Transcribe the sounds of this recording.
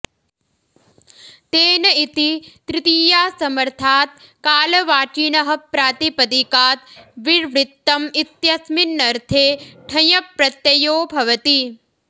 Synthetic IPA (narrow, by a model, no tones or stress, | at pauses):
t̪eːnɐit̪it̪ɾɪt̪iːjaːsɐmɐɾt̪ʰaːt̪̚ | kaːlɐʋaːt͡ʃinɐɦɐpɾaːt̪ipɐd̪ikaːt̪ʋiɾʋɾɪt̪ːɐmit̪jɐsminːɐɾt̪ʰeːʈʰɐjɐpɾɐt̪jɐjoːbʱɐʋɐt̪i